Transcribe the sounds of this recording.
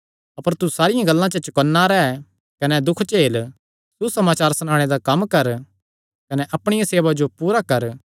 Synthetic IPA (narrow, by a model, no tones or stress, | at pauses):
ɐpəɾt̪usaːɾɪjãɡɐlːãt͡ʃɐt͡ʃɐkɐnːaɾɛ | kɐnɛd̪ʊkʰt͡ʃeːl | susɐmaːt͡ʃaːɾsɐnãːɽ̃ed̪akɐmːkɐɾ | kɐnɛʔɐpɽ̃ɪjãseːʋad͡ʒopuːɾakɐɾ